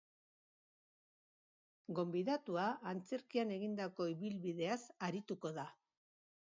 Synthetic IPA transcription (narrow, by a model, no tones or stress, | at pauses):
ɡo̞mbiðat̪uaːnt͡se̞ɾkiane̞ɣind̪ako̞iβilβiðe̞asaɾit̪uko̞ða